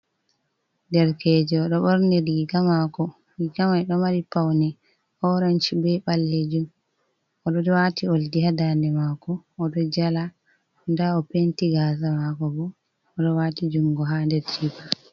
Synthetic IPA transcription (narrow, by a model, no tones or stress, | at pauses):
dɛɾkɛːd͡ʒɛːɗɔɓɔɾnɛɾɡiɡamakɔ | ɡikamajɗɔmaɾipawnɛ | ɔɾant͡ʃibɛɓalːed͡ʒum | ɔɗɔdɔwatʰioldihadandɛmaːkɔːɗɔd͡ʒala | ndaɔpentiɡaːzamakɔbɔː | ɗɔwatid͡ʒuŋɡɔɦandɛtiba